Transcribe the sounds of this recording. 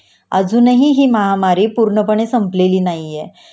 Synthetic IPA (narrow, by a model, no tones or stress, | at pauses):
ə̰d͡zuːnəɦiɦiːməɦamaɾiːpuɾɳəpəɳ̃esəmpleliːnaɦijɛ